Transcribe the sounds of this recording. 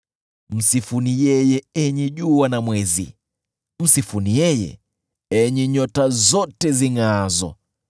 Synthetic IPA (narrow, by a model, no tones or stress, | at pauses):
m̩sifunijɛjɛɛɲiʄuanamwɛzḭ | m̩sifunijɛjɛ̰ | ɛɲiɲɔtazɔtɛziŋazɔ̰